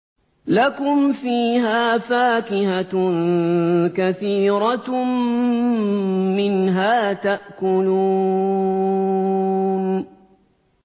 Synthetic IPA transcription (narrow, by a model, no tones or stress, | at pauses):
lakʊmfiːɦaːfaːkɪha | kaθiːɾɑ | mɪnɦaːt̪aʔkʊluː | n